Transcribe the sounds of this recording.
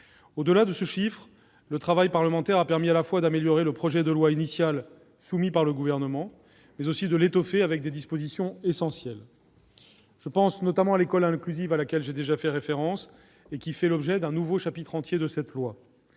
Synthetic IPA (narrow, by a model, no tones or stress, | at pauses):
od̪əlad̪əsəʃifχ | lət̪χavajpaʁləmɑ̃t̪ɛʁapɛʁmialafwad̪ameljɔʁeləpχɔʒɛd̪əlwainisjal | sumipaʁləɡuvɛʁnəmɑ̃ | mɛzosid̪əlet̪ɔfeavɛk̚d̪ed̪ispozisjɔ̃esɑ̃sjɛl | ʒ̥əpɑ̃snɔt̪amɑ̃alekɔlɛ̃klyzivalakʲɛlʒed̪eʒafɛʁefeʁɑ̃s | ekʲifɛlɔbʒɛd̪ɛ̃nuvoʃapit̪χɑ̃t̪jed̪əsɛt̪lwa